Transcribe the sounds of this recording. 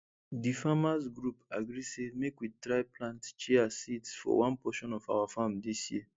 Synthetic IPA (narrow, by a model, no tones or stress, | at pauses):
difamasɡɹupaɡɹisemekwitɹaɪplãntt͡ʃɛasitsfɔ̰wãnpɔʃɔ̃nɔfa̰wafãmdisjiə